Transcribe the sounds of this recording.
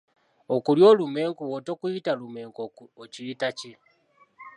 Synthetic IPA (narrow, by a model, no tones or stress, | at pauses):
okuljo̞ːlumeːŋkuwotokuitalumeːŋkociːtaci